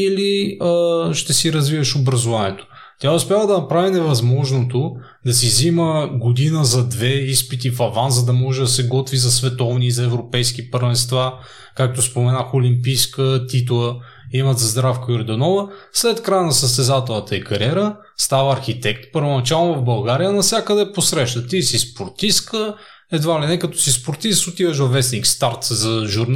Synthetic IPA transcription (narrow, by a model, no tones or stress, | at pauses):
iliəʃt̪ɛsiɾɐzvivɐʃobɾɐzʊvaniɛt̪o̥ | t̪ʲjaʊspʲjavəd̪ɐnɐpɾavinɛvɐzmɔʒnot̪o | d̪ɐsiziməɡod̪inəzɐd̪vɛispit̪ifɐvanzzɐd̪ɐmɔʒɛd̪ɐsɛɡɔt̪vizɐsvɛt̪ɔvnizɐɛvɾopɛjskipəɾvɛnst̪va | kak̚t̪ospomɛnaxolimpijskət̪it̪lˠə | imɐt̪zɐzd̪ɾafkəjʊɾɛd̪onɔvəslɛt̪kɾajnɐsəst̪ɛzat̪ɛlˠnət̪əikɐɾʲiɛɾə | st̪avəɐɾxit̪ɛkt̪pəɾvonɐt͡ʃalˠnʊvɐvbɐlˠɡaɾijənɐsʲjakəd̪ɛːposɾɛʃnət̪isispoɾt̪iskə | ɛd̪valinɛkɐt̪ɔ̥sispoɾt̪izsʊt̪ivɐʃvɐvɛsnikst̪aɾt̪zɐʒuɾn